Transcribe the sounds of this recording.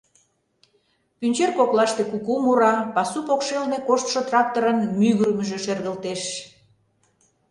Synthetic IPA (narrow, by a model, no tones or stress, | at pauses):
pynʲt͡ɕerkoklɑʃt̪ekukumuɾɑpɑsupokʃelnekoʃt̪ʃot̪rɑk̚t̪oɾənmyɣɾməʒeʃerɣə̆lt̪eʃ